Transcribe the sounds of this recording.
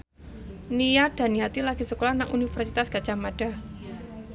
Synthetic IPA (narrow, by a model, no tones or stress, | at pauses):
nijad̥a̤niat̪ilaɡ̥i̤səkolanaŋʔunifərsit̪asɡ̥ḁʒ̥amad̥a̤